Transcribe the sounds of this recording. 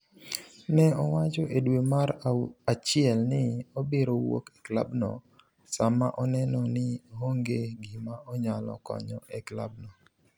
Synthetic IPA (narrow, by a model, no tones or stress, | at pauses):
nɛɔwat͡ʃɔʔedwemaɾat͡ʃɪɛlnɪobeɾowo̰kekla̰bnɔ̰ | samaʔɔnɛnɔnɪɦoŋɡeɡɪmaɔɲalɔ̰kɔ̰ɲɔ̰ʔɛklabnɔ